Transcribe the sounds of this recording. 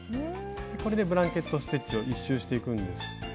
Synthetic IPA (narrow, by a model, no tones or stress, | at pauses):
neko̞ɾe̞d̪e̞bɯ̟ɾãŋke̞t̪ːo̞sɨ̥t̪e̞t͡ɕio̞ʔiɕːɨːɕi̥t̪e̞ikɯ̟̃nd̪e̞sɨ̥